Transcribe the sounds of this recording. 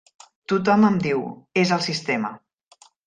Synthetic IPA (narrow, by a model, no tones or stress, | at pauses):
t̪ut̪̬ɔməmd̪iwezəlˠsist̪ɛmə̰